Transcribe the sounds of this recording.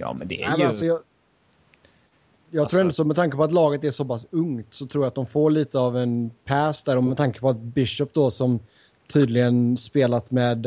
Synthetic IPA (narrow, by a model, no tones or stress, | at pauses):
jɑ̰ːm̰nd̪ɛ̰ːmasɔjɑ | jɑɡt̪ɾuːɾɛnd̪sɔmɛt̪ʰaŋkəpɔat̪lɑːɡət̪æɾʂɔpasɵŋt̪sɔt̪ʰɾuːɾjat̪̚d̪ɔmfoːɭiːt̪əavɛnpʰæːsd̪æːɾɔmɛd̪t̪ʰaŋkəpɔat̪̚bɪʃœpːd̪ɔsɔm | t̪ʰyːd̪lɪɡənspeːlat̪mɛːd̪